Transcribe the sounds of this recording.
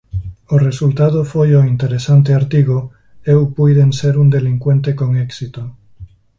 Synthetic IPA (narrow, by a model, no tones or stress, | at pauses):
oresult̪að̞ofojoint̪eɾesant̪eaɾt̪iɣo | ewpujðenseɾund̪eliŋkwe̞nt̪ekoŋeksit̪o